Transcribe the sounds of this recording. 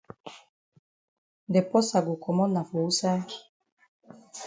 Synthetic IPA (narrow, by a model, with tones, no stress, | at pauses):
dɛ˨pɔ˦sa˨ɡu˨kʰɔ˨mɔ˦na˨fo˨u˦sa˦